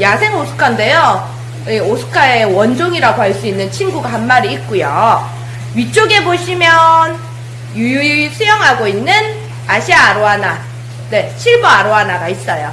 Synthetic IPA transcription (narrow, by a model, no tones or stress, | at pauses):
jasʰe̞ŋosʰɯ̥kʰande̞jo | eosʰɯ̥kʰaewʌnd͡ʑoŋiɾaɡoaɭs͈uinːɯnt͡ɕʰinɡuɡahanmaɾiːk̚k͈ujo | ɥit͡ɕ͈oɡe̞boɕʰimjʌn | jujusʰujʌŋɦaɡoinːɯn | aɕʰiaaɾoɦana | ne̞t͡ɕʰiɭboaɾoɦanaɡais͈ʌjo